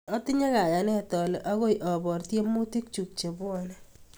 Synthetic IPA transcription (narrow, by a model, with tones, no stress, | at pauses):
ɔ˦tɪ˦ɲe˦ka˨ja˨nɛ˦˨tɔ˨lɔ˨ʔa˦ɡo˦jʔɔ˨bɔ˨ɾtje˦mːu˦ti˦k̚t͡ʃu˨k̚t͡ʃe˨bʊ˦ɔ˦˨nɛ˦